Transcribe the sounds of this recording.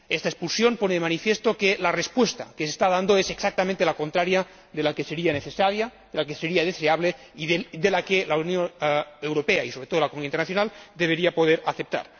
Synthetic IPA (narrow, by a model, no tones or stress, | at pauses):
est̪aespulsjomponeðemanifjest̪okelarespwest̪a̰kesest̪aðand̪oeseksak̚t̪amẽnt̪elakont̪ɾaɾja | ðelakeseɾianeθesaɾja | ðelakeseɾiaðeseaβle | iðed̪elakelaunjonewɾopeaisoβɾet̪oolakomunijaint̪ernaθjonald̪eβ̞eɾiapoð̞eɾaθep̚t̪a̰ɾ